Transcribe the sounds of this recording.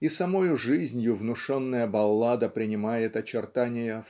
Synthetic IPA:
isɐmojʊʐɨzʲnʲjʊvnʊʂonːəjəbɐlˠːad̪əpɾʲɪnʲɪmajɪt̪ɐt͡ɕɪrt̪anʲɪjəf

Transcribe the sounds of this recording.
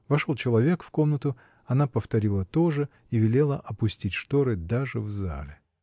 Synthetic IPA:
vɐʂo̞lˠt͡ɕɪlˠɐvʲe̞kfko̞mnət̪ʊ | ɐnapəft̪ɐɾʲilˠət̪o̞ʐɨ | ivʲɪlʲe̞lˠəʔɐpʊsʲtʲitʲʂt̪oɾɨd̪aʐɨvza̰lʲɪ

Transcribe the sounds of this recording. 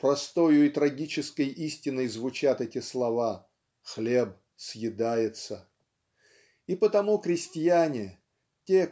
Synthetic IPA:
pɾɐst̪ojʊit̪ɾɐɡʲit͡ɕɪskəjisʲtʲɪnːəjzvʊt͡ɕat̪ɛtʲɪslˠɐva | xlʲeb̚ | sjɪd̪ajɪt̪sə | ipət̪ɐmukɾʲɪsʲtʲɪjanʲɪ | tʲe

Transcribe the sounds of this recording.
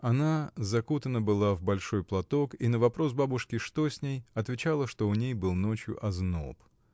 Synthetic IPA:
ɐnazɐkut̪ənəbɨlˠavbɐlʲʂo̞jplˠɐt̪o̞kinəvɐpɾo̞s̬babʊʂkʲɪʂt̪o̞sʲnʲejɐt̪vʲɪt͡ɕalˠəʂt̪o̞ʊnʲejbɨlˠno̞t͡ɕjʊ̰ʔɐzno̞̰p

